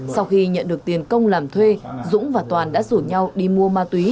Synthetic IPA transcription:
sa˧wxi˧ɲə̰˧˨nɗɨ˨˩ək̚t̪i˨˩ənkə˧wŋ͡mlaː˨˩mt̪ʰwe˧zʊ̰˧˥ŋ͡mvaː˨˩t̪waː˨˩nɗa̰ː˧˥zu˧˩ɲa˧wɗi˧mu˧əmaː˧t̪wi˨˦

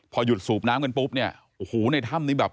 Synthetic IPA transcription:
pʰɔː˧ju˨˩t̪̚suː˨˩p̚naː˦˥mka˧npu˦˥p̚ni˥˩ɐ | ʔo˨˩hoː˩˦na˧jt̪ʰa˥˩mniː˦˥bɛː˨˩p̚

